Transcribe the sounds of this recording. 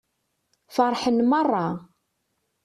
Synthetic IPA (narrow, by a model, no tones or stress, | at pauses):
fɑɾˤħənmɑrˤːɑ